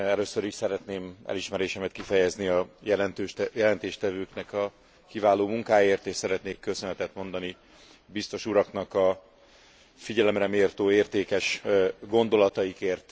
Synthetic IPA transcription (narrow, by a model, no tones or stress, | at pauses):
ɛløːsøɾiʃsɛɾɛt̪neːmɛ̰liʃmɛɾeːʃɛmɛt̪kifɛjɛzniɒjɛlɛnt̪øjɛlɛnt̪eːʃt̪ɛvøːknɛkɒ | kivaːloːmuŋkaːjeːrt̪eːʃsɛɾɛt̪neːkːøsønɛt̪ɛt̪mo̞nd̪ɒni | bist̪o̞ʃuɾɒknɒkɒ | fiɟɛlɛmrɛmeːrt̪oːeːrt̪eːkɛʃɡo̞nd̪o̞lɒt̪ɒjikeːrt̪